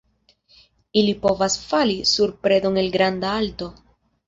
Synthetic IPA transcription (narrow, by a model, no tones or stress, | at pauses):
ilipo̞vasfalisuɾpɾe̞do̞ŋe̞lɡɾandaalto̞